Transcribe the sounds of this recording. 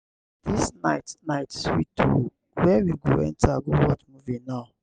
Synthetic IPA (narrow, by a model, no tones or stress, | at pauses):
d̥isnaɪtnaɪtswito | wɛwiɡoɛ̰̃ntaɡowɔtmuvĩnaʊ